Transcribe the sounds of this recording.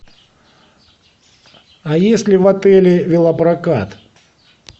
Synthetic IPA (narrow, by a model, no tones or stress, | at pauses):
ɐjesʲlʲɪvɐt̪ɛlʲɪvʲɪlˠɐpɾɐkat̪